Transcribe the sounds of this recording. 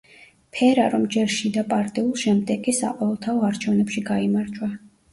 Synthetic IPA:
pʰɛɾaɾɔmd͡ʒɛɾʃid̪apʼaɾt̪ʼiulˠʃɛmd̪ɛkʼisa̰qʼwɔvɛlˠt̪ʰaɔaɾt͡ʃʰɛvnɛpʃiɡaimaɾd͡ʒwa

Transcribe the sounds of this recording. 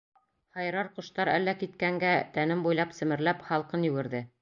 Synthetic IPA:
χɑjɾɑɾqŏʃt̪ɑɾæ̰lːækit̪kæŋɡæt̪ænɘmbujlˠɑpsɘ̆mɘ̆ɾlæpχɑlˠqɤnjɵ̆wɘ̆ɾðɘ

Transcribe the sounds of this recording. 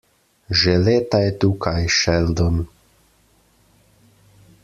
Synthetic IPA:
ʒɛleːt̪ajɛt̪uːkʰajʃɛld̪ɔn

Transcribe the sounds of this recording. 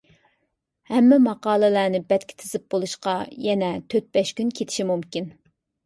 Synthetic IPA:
hɛmːɛmɑqɑːlˠɨlæːnɪbɛt̪̚kʲʰɪ̥t̪ʰɪzɪp̚b̥olˠuʃqɑjɛnɛt̪ʰøt̪̚bɛʃkʲynkʲʰet̪ʰɪ̥ʃimumkʲin

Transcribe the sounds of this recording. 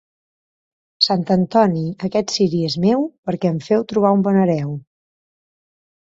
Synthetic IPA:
sant̪ənt̪ɔniəkɛt̪siɾiezmewpəɾkɛəɱfɛwt̪ɾuβaumbɔnəɾɛw

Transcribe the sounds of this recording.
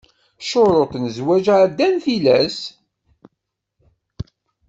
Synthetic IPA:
ʃoɾˤot̪nzwæʒʕd̪ːænθilæs

